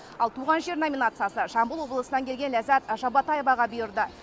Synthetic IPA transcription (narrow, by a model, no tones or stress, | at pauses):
ɑlˠt̪ʰuʁɑnʒe̞ɾnomʲinat̪sɨjasəʒɑmbəlˠwo̞blˠəsənɑŋkʲʰeɡʲenlæzæt̪ʒɑbɑt̪ɑjvɑʁɑbʏjɪɾd̪ə